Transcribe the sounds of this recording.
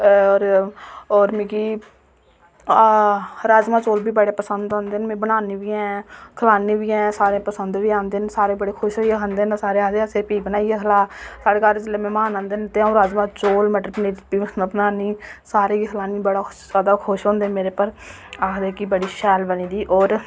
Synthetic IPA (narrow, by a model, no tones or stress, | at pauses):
ɾɔːɾmĩkiː | ɾaːd͡ʒmãːt͡ʃoːlbiːbəɽeːpəsənd̪õːnd̪eːnmẽːbənaːniːʋiːɦɛ̃ːkʰəlaːniːʋiːɛ̃ːsaːɾẽːpəsənd̪ʋiːãːnd̪eːnsaːɾeːbəɽeːkʰʊʃaːiekʰənd̪eːnsaːɾeːaːd̪eːseːpiːbənaːiekʰlaːsaːɽeːkaːɾd͡ʒɪleːmɛ̃ːmaːnãːnd̪eːnt̪eːãːɾaːd͡ʒmãːt͡ʃoːlmɛʈɾpneːbiːənaːbənaːniːsaːɾẽːiːkʰəlaːniːbəɽaː | zaːd̪aːkʰʊʃɦõːnd̪eːnmeːɾeːpəɾ | aːkʰd̪eːkibəɽiːʃɛːlbəniːd̪iːʔɔːɾ